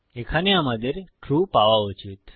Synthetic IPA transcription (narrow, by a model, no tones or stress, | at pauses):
ekʰaniamad̪eɾʈɾupaʋaut͡ʃʰit̪